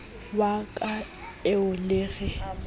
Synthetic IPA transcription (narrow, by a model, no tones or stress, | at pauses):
bakʼa | ɪʊleːɣɪ